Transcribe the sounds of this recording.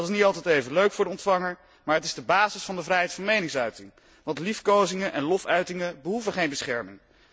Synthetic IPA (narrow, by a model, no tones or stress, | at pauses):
tɪsnitɑlˠtɛjtejvənløɥkfʊːɹdəɔntfɑŋəɹ | maːɹɦətɪzdəbaːzɪsfɑndəvrɛjɦɛjtfɑnmejnɪŋsœɥtɪŋ | ʋɑntlifkowzɪŋənʔɛ̃nlɔfœɥtɪŋəbəɦuvəχejnbəsχɛɹmɪŋ